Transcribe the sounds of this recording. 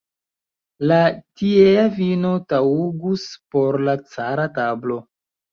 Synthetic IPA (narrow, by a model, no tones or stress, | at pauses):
latieavino̞tauɡuspo̞ɾlat͡saɾatablo̞